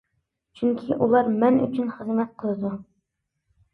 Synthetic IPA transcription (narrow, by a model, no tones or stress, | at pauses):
t͡ʃʰyŋkʲʰiʔulˠɑɾmɛny̰t͡ʃʰynχəzmɛt̪̚qʰəlˠɨd̪u